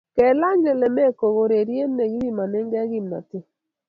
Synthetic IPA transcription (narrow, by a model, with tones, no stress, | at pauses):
kɛ˨la˦ɲd͡ʒɛ˨lɛ˨mɛ˦˨ko˨ɣo˨ɾe˨ɾje˦nːe˨ɣi˦ɾi˦ma˨nɛ˦ŋɡɛ˦ɣi˦˨mna̰˨tɪ˦